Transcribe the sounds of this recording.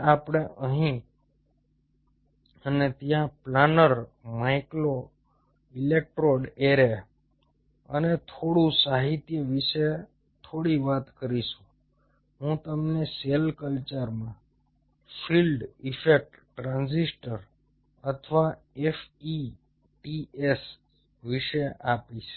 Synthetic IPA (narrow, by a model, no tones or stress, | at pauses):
apɽ̃eʔəɦĩ | ənet̪jãplanəɾmajklo | ilek̚ʈɾoɖeɾe | ə̰net̪ʰoɽũsaɦit̪jəʋiʃe | t̪ʰoɽiʋat̪kəɾiʃũ̥ | ɦũt̪əmneselkəlt͡ʃəɾmã | filɖifek̚ʈːɾãnzisʈəɾ | ət̪ʰʋa | efi | ʈies | ʋiʃeʔapit͡ʃʰ